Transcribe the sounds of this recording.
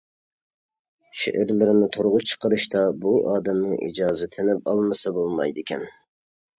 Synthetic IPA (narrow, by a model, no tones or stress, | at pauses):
ʃḛʔɪɾlɪɾɪnɪt̪ʰoɾʁʊt͡ʃʰə̥qəɾɨʃt̪ɑbuʔɑːd̪ɪmnɨʔḭd͡ʒɑːzɪt̪ʰɪnɪp̚ɑlˠmɨsɑbolˠmɑ̰jd̪ɪkʲʰɛn